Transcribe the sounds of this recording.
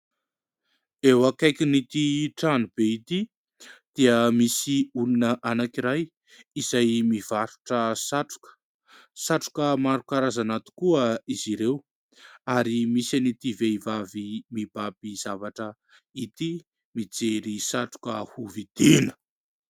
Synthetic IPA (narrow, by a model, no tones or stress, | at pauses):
ewakajkinit̪iʈ͡ʂanub̥eit̪i | d̪̥iəmisiulunəʔanakiɾaj | izajmiv̥aɾu̥ʈ͡ʂəsaʈ͡ʂu̥kə̥ | saʈ͡ʂu̥kəmaɾukaɾazanat̪u̥kuəiziɾew | aɾimisanit̪iveivavimib̥apiz̥avaʈ͡ʂə | it̪i | mid͡zeɾisaʈ͡ʂu̥kəhuvid̪̥inə̥